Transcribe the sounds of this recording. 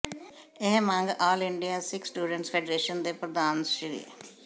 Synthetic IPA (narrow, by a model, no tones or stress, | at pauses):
eɦmãːŋɡaːlɪɳɖijaːsɪksʈuːɖə̃ɳʈspʰeɖɾeːʃənd̪eːpɾəd̪aːnsiɾḭː